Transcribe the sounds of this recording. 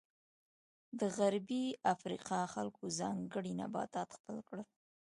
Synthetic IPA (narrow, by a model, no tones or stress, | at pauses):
d̪əɣaɾbiafɾḭqɑxalkozɑŋɡəɽina̰bɑ̰t̪ɑt̪xpəlkɽəl